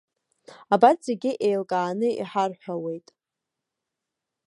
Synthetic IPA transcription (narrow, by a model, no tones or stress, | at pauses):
abatz̥e̞ɡʲɪʔe̞jlkʼaːnɨḭħarħʷᶣawe̞jtʼ